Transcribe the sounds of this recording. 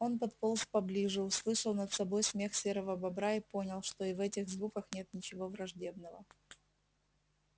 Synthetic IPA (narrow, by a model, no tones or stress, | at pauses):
o̞npɐt̪polˠspɐblʲiʐɨʊslˠɨʂəlˠnət̪sɐbo̞jsmʲe̞xsʲeɾəvəbɐbɾaipo̞nʲɪlˠʂt̪o̞ɪvɛtʲɪɣzvukəxnʲe̞t̪nʲɪt͡ɕɪvo̞vɾɐʐdʲe̞bnəvə